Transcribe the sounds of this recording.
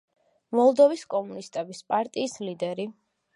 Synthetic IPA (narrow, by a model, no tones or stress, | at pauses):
mɔlˠd̪ɔviskʼɔmunist̪ʼɛbispʼaɾt̪ʼiːslid̪ɛɾi